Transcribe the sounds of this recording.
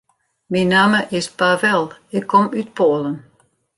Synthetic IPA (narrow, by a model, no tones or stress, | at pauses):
minːaːməʔɪspavɛlˠɪkʰːɔmyt̚pʰoːlˠən